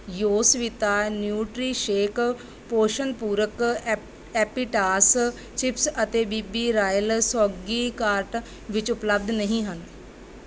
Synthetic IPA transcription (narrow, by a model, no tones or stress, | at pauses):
joːsʋit̪aːnjuːʈɾiːʃeːk | poːʃənpuːɾək | ɛːpiːʈaːs | t͡ʃɪpsət̪eːbiːbiːɾaːjəlsɔːɡiːkaːɾʈ | ʋɪt͡ʃʊpləb̚d̪nəɦĩːɦən